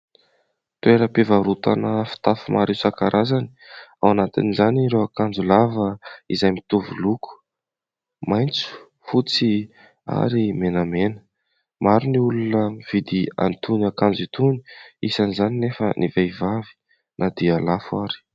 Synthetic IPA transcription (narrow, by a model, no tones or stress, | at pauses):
t̪ueɾəpevaɾut̪a̰nəfi̥t̪afumaɾesakaɾʔazani̥a̰wanat̪ḭnizaniɾewakand͡zulavəizajmit̪uvuluku̥ | majnt͡su̥ | fut͡si | a̰ɾimenamenə̥ | maɾuniulunəv̥id̪ia̰nt̪uniakand͡zit̪uniisanizaninefə̰nivajvavi̥ | nʔad̪ialafaɾi̥